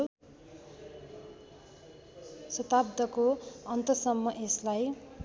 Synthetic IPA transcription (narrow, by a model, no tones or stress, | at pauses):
sʌt̪abd̪ʌkoʌnt̪ʌsʌmːʌʔeslaj